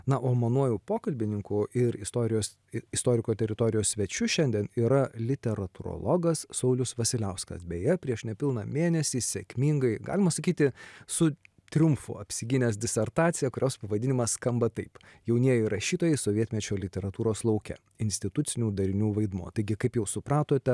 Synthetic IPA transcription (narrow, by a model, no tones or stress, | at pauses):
nɐʔoːmɐnuɔjuːpoːkɐlʲbʲɪnʲɪŋkuːʔɪɾɪst̪oːɾʲɪjoːs | ɪst̪oːɾʲɪkoːt̪ʲɛɾʲɪt̪oːɾʲɪjoːsʲsʲʋʲɛt͡ʃʲʊʃʲɛnʲd̪ʲɛniːɾɐlʲɪt̪ʲɛɾɐt̪ʊɾo̰lˠoːɡɐssɐʊlʲʊsʋɐsʲɪlʲɛʊskɐ̰sbʲejɛpʲɾʲiɛʃnʲɛpʲɪlˠnɑmʲeːnʲɛsʲiːsʲɛkʲmʲɪŋɡɐɪɡɑ̰ːlʲɪmɐsɐkʲiːt̪ʲɪsʊ | t̪ʲɾʲʊmfʊ̰ɐpʲsʲɪɡʲɪnʲɛːsd̪ʲɪsʲɛɾt̪ɑːt̪sʲɪjɛkʊɾʲoːspɐʋɐd̪ʲɪnʲɪmɐsskɐmbɐt̪ɐɪpjɛʊnʲiɛjɛɪɾɐʃʲiːt̪oːjɛɪsoːʋʲiɛt̪ʲmʲɛt͡ʃʲoːlʲɪt̪ʲɛɾɐt̪uːɾoːslˠɐʊkʲɛ̰ | ɪnʲsʲt̪ʲɪt̪ʊt̪sʲɪnʲuːd̪ɐɾʲɪnʲuːʋɐɪd̪muɔt̪ɐɪɡʲɪkɐɪpjɛʊsʊpɾɑːt̪oːt̪ʲɛ